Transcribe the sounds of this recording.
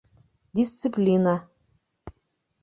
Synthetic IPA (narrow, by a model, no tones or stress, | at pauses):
d̪ʲisʲt̪sɨplʲina